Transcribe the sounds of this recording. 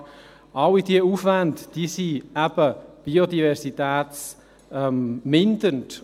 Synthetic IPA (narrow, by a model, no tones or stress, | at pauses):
ʔɑwidiəufʋæntd̥iːsiæb̥əb̥iodivɛɾsit̪æːt͡s | ɛmmɪnd̪ənt